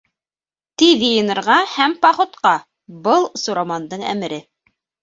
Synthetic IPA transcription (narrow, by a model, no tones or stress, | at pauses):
t̪iðjɤ̆jɤ̆nɤ̆ɾʁɑhæmpɑχŏt̪qɑ | bɤlˠsuɾɑmɑnd̪ɤɴæ̰mɘ̆ɾɘ